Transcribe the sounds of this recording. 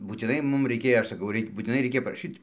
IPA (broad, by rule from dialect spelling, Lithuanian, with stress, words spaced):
buːtʲɪˈnɐɪ ˈmʊm rɐɪˈkʲeːjoː ˈɐʃ sɐˈkɐʊ ˈrɐɪkʲ buːtʲɪˈnɐɪ ˈrʲɛɪkʲɛ pɐrɐˈʃʲiːtʲ